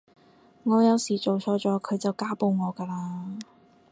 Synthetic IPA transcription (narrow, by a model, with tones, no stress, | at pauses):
ŋɔː˨˧jɐ˨˧wsiː˨˩t͡ʃo˨wsʰɔː˨˧˥t͡sɔː˨˧˥kʰɵ˨˧ɥt͡sɐ˨wkaː˥po˧wŋɔː˨˧kaː˧laː˧